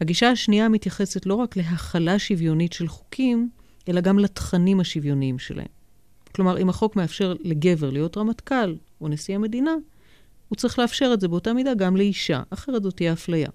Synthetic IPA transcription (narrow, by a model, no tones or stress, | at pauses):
haɡiʃaaʃniamitjaχe̞se̞tlo̞ʁakle̞ɦaχalaʃivjo̞nitʃe̞lχo̥kʰim | ʔe̞laɡamlatχanimhaʃivjo̞niimʃe̞lʔa̰hḛm | klo̞maʁimhaχo̞kme̞afʃe̞ʁle̞ɡe̞ve̞ʁlijo̞tʁamatkal | onesiamedina | hut͡sʁiχleafʃe̞ʁetzebeotamidaɡamle̞iʃa̰ʔaχe̞ʁetzo̞tijaaflaja̰